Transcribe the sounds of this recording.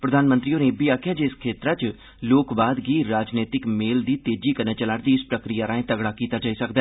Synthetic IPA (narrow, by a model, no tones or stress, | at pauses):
pɾəd̪ʱaːnmənt̪ɾiːoːneːbiaːkʰjaːd͡ʒeːɪskʰeːt̪ɾaːt͡ʃ | loːkbaːd̪ɡiːɾaːd͡ʒneːt̪ɪkmeːld̪iːt̪eːd͡ʒiːkəɾneːt͡ʃəlaːɽd̪iːspɾəkɾijaːɾãːẽːt̪əɡɽaːkiːt̪aːd͡ʒaːisəkd̪aɛː